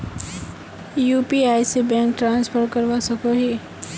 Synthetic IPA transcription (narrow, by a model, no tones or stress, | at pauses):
jupiaːjsebɛ̃ːŋk̚ʈɾãːnspʰəɾkəɾʋasəkoɦi